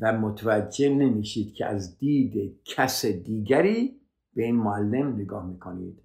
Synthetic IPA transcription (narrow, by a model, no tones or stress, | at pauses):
væmot̪ʰvæd͡ʒːene̞miːʃiːd̪̚cʰḛæ̰zd̪iːd̪ecʰæsed̪iːɡæɾiː | b̥eiːnmoælːe̞mneɡɒːhmiːkʰonḭːd̪̥